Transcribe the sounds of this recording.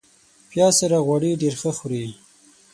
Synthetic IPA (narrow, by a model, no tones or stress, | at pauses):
pjɑsaɾaɣwaɽiɖeɾxəxɾi